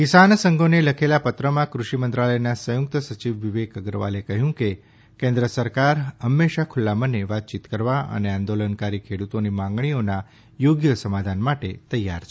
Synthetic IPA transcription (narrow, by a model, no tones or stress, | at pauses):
kisansəŋɡʱoneləkʰelapət̪ɾəmãkɾuʃimənt̪ɾaləjnasəjʊk̚t̪əsət͡ʃiʋʋiʋekəɡɾəʋa̰lekəɦjũke | kẽnd̪ɾəsəɾkaɾɦəmːeʃakʰʊlːaməneʋat̪̚t͡ʃit̪kəɾʋaʔə̰neãnd̪olənkaɾikʰeɽut̪onimãŋɡɳ̃ijona | joɡjəsəmad̪ʱanmaʈet̪əjːa̰ɾt͡ʃʰe